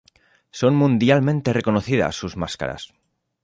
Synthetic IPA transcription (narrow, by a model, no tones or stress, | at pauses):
so̞nmũnd̪jalmẽ̞nt̪e̞re̞ko̞noθiða̰sːuzmaska̰ɾa̰s